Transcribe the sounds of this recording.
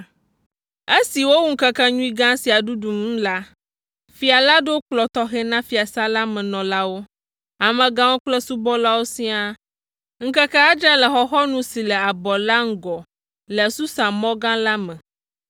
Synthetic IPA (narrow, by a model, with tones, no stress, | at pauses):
e˦si˨wo˦wu˦ŋ̩˦kɛ˦kɛ˦ɲũ˦i˦ɡã˦si˨a˨ɖu˦du˨m̩˦la˦ | fi˦a˨la˦ɖe˦o˦k͡plɔ˨t̪ɔ˦xɛ˦nã˦fi˨a˨sa˦la˦mɛ̃˨nɔ̃˨la˦wo˦ | a˨mɛ̃˨ɡã˦wo˦k͡plɛ˦su˦bɔ˦la˦wo˦sĩ˦a˦ | ŋ̩˦kɛ˦kɛ˦a˦d͡ʒa˦lɛ˨xɔ˦xɔ˦nũ˦si˨lɛ˨a˨bɔ˨la˦ŋ̩˦ɡɔ˨ | lɛ˨su˦sa˨mɔ̃˦ɡã˦la˦mɛ̃˨